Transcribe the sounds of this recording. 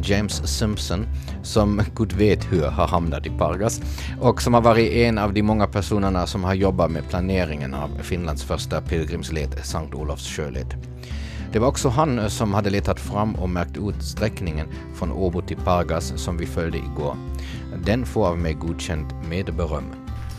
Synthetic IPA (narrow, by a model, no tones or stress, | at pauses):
d͡ʒɛɪmsːɪmpsɔn | sɔmɡ̥uːd̪veːt̪hɵɾhaɾhamnat̪ɪpʰaɾɡas | ʔɔksɔmhaɾvɑːɾɪt̪ɛnɑvd̪ɪmɔŋːapʰæʂuːnəɳasɔmhaɾjɔbːat̪mepʰlaneːɾɪŋə̰na̰vfɪnland̪sfœʂʈap̪ʰɪlɡɾɪmsleːt̪saŋt̪uːlafsɕøːlḛːt̪ | d̪̥ɛvaɾɔksɔɦansɔmhad̪ːəleːt̪ʰat̪fɾamːɔ̰mæɾk̚t̪ʉːt̪st̪ɾɛknɪŋən | fɾɔnʔoːbʊt̪ʰːɪlpʰaɾɡassɔmvɪfœld̪əʔɪ̰ɡo̰ːɾ | d̪ɛnfoːɾavmɛɪɡuːd̪ɕɛnt̪meːd̪bɛɾœmː